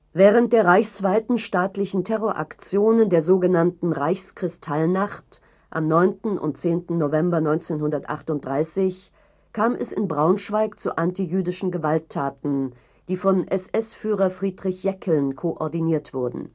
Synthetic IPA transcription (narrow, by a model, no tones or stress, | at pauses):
vɛːʁ̞ənt̚d̥eːɐʁaɪçsv̥aɪtn̩ʃtaːtlɪçn̩tʰɛʁoɐʔa̰kt͡sjoːnəndeːɐzoːɡənantn̩ʁaɪçskʁ̥ɪstʰalnaχt | ʔa̰mnɔʏntn̩ʔʊ̰ntt͡seːntn̩ːovɛmbɐnɔʏnt͡seːnhʊndɐtʔa̰χtʊnt̚d̥ʁaɪsɪç | kʰaːmʔɛ̰sɪ̰nbʁaʊnʃv̥aɪkt͡suʔantijyːdɪʃn̩ɡəvaltʰːaːtn̩ | d̥iːfɔnʔɛsʔɛsfyːʁɐfʁ̥iːdʁɪçjɛkʰəl̩nkʰoʔɔɐdiniːɐtv̥ʊɐdn̩